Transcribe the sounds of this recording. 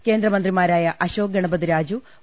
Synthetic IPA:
ke̞ːnd̪ɾɐmɐnd̪rimaːɾaːjɐʔɐɕo̞ːɡɐɳɐbɐðiɾaːd͡ʑu

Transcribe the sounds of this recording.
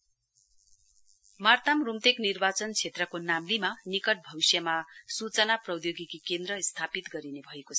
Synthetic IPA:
mart̪amrumt̪eknirbat͡sʌnt͡sʰet̪rʌkonamlimanikʌʈ̚bʱʌbisjʌmasut͡sʌnaprʌwjoɡikikend̪rʌst̪ʰapit̪ɡʌɾinebʱʌekot͡sʰʌ

